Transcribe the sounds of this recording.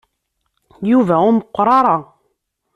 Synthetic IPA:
juvæʊməqːɾˤɑɾˤɑ

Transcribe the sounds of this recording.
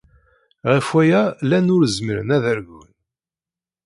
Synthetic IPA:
ʁəfwæjælænʊɾzməɾə̰næðæɾʝən

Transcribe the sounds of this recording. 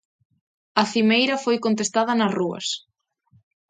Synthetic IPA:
ɐθimejɾɐfojkont̪est̪að̞ɐnɐsruɐ̰s

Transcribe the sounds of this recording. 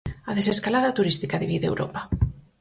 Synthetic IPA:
aðeseskalaðat̪uɾist̪ikaðiβiðḛwɾʔo̰pa

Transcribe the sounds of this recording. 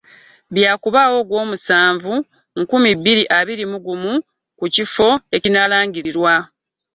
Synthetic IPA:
βjaːkuβawo̞ɡwo̞ːmusaːɱvu | ŋkumibːiɾiʔaβiɾimuɡumu | kucifo̞e̞cinalaːŋɟiɾiɾwa

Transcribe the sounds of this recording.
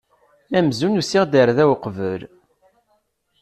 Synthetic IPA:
æmzunusiʁd̪əɾðæwqvəl

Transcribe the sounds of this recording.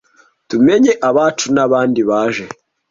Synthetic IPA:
tumeɲeʔaβaːt͡ʃunaβaːndiβaːʒe̞

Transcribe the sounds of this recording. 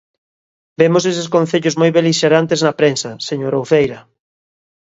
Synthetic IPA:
bemoseseskõn̟θeʎʊzmojβeliʃeɾant̪eznɐpɾensɐseɲoɾowθejɾɐ

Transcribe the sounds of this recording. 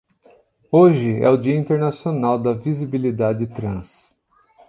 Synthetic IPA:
oʒɪɛ̰ʊd͡ʒiɐĩnt̪eɾnasionawd̪ɐvizibilid̪ad͡ʒɪt̪ɾɐ̃s

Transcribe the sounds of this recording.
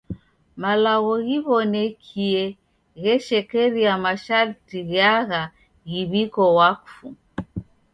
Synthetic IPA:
malaɣɔɣiβɔnɛkʰiɛ | ɣɛʃɛkɛɾiamaʃaɾtiɣaɣa | ɣiβikɔwafu

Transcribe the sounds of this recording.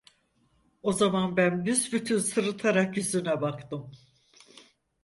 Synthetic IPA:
o̞zamanbænbyzbyt̪ʰynsɯɾɯt̪ʰaɾakjyzynɛbakt̪ɯm

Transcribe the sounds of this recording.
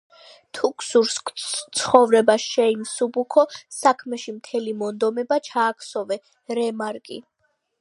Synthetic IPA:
t̪ʰukʰsuɾst̪sʰχɔvɾɛbaʃɛinsubukʰɔsakʰmɛʃimt̪ʰɛlimɔnd̪ɔmɛbat͡ʃʰaːkʰsɔvɛ | ɾɛmaɾkʼḭ

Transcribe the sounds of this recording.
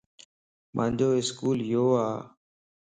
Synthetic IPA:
mʔã̰ːnd͡ʒoːɪskuːljoːaː

